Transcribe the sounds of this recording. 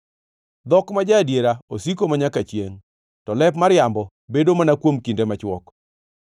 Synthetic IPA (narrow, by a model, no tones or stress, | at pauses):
d̪ɔkmad͡ʒadjeɾaosikomaɲakat͡ʃjeŋ | tɔlɛp̬maɾjambɔ | bedomanakwomkindemat͡ʃwɔk